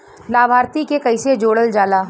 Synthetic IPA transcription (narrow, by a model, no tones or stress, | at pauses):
laːbʱaːɾt̪ikekɐɪsed͡ʒoːɽəld͡ʒaːlaː